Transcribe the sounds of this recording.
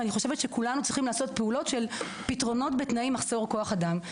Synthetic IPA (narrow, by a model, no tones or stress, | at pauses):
aniχo̞ʃevetʃekulanut͡sʁiχimlaːso̞t̚peulo̞tʃel | pitʁo̞no̞tbetnaimaχz̥o̞ʁko̞aχadam